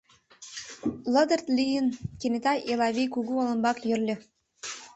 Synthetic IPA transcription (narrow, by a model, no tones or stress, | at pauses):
lod̪ərt̪lʲijənkenʲet̪ɑjʔelˠɑβijkuɣuolˠə̆nbɑkjørlʲɘ̆